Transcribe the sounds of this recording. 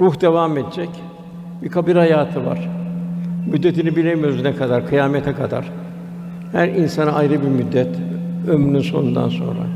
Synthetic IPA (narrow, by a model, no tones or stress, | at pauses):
ɾuhd̪e̞vame̞d̪ed͡ʒɛc | bikʰabiɾhajaːt̪ʰɯva̰ɾ̥ | myd̪ːe̞t̪ʰinibilʲemjøɾznɛkʰad̪aɾkʰɯjaːmet̪ʰɛkʰad̪a̰ɾ̥ | hæɾinsanaajɾɯbiɾmyd̪ːɛt̪ømɾnynso̞̰nund̪a̰nso̞̰nɾa̰